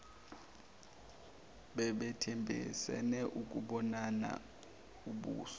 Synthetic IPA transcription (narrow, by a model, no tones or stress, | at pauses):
ɓɛɓɛtʰɛmbʱḭsɛ̰nɛʔuk̬uɓɔnana̰ | uɓṵːsɔ̥